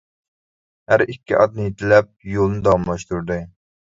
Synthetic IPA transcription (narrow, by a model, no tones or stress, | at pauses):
hæɾikʲːiʔɑd̪̚nɨjet̪ʰɪlɛp̚jolˠnɨd̪ɑwɑmlˠɑʃt̪uɾd̪ɨ